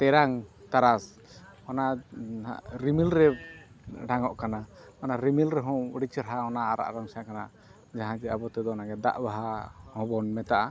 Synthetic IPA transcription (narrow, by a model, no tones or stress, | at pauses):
t̪ɛɾaŋt̪aɾas | ɔna̰ | ɾimilɾɛ | ɖaŋɔʔkanaɔnaɾimilɾɛɦɔ̃ɽit͡ʃɾɦaɔnaːɾa̰ʔɾaŋsɛakana | d͡ʒaɦãd͡ʒɛabɔt̪ɛd̪ɔnaɡɛd̪a̰ʔbaɦahɔ̃bɔnmɛt̪aʔa